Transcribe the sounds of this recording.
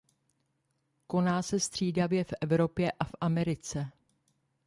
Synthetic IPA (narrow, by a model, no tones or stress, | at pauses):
ko̞naːsɛst̪r̝̥iːdavjɛfʔɛvɾo̞pjɛʔafʔamɛɾɪt͡sɛ